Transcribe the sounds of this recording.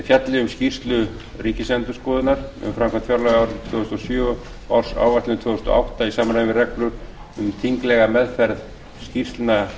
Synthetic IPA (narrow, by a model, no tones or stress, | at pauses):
fjat̪lɪʏmscir̥st̪lʏ | ɾiːcɪsɛnt̪ʏskɔːðɪnaɾʏ̰mfɾamkʰvant̪fjaɾlaɣaːwɾt̪ʰvœðʏst̪ɔsjœː | a̰wɾ̥sa̰wvat̪lɪnt̪ʰvœːɣðʏst̪ɔ̰ʔa̰wht̪aisaːmanajnvɪrɛklʏɾ̥ | ʏmt̪ʰiŋklɛɣamɛðfɛɾð | scir̥t̪lna